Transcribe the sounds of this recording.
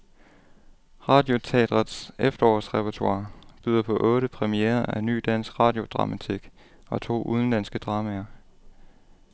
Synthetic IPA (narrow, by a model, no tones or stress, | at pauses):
ʁɑ̈d̥jo̝t͡sʰḛːd̥ʁɐðsefd̥ɐɒ̰ːsʁɛpʰɐt͡sʰɑ̰̈ːb̥yðˠɐpʰɒ̽ʔɔ̽ːɾəpʰʁɛmieːɐʔæny̰ːd̥æn̰sɡ̥ʁɑ̈ːd̥jo̝d̥ʁɑ̈mæt͡sʰiɡ̥ | ɒ̽t͡sʰo̝̰ːʔuð̞ˠən̩d̥æn̰sɡ̥əd̥ʁɑ̈ːmæɐ